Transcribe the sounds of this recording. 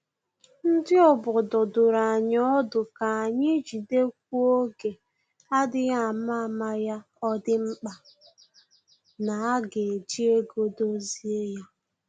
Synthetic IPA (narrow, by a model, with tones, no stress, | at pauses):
n̩˦dɪ˦ɔ˨bʊ˨dʊ˨dʊ˨ɾa˨ɲɔ˦dʊ˨ka˨a˨ɲɪ˦d͡ʒi˨de˦k̚ʷu˦o˦ɡe˨ | a˦dɪ˦ɣa˦a˨ma˦˨ma˦ja˦ | ɔ˦dɪ˦ŋ͡m̩˦k͡pa˨ | na˨a˦ɡe˨d͡ʒi˦e˦ɡo˦do˦zi˦e˦ja˦